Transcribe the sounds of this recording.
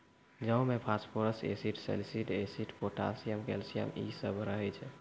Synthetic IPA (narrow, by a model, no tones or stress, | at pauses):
d͡ʒəumepʰaspoɾəsḛsiʈsḛlsiʈesiʈpoʈa̰sijəmkḛlsijə̰mḭsəbʱɾəɦɛt͡ʃʰɛ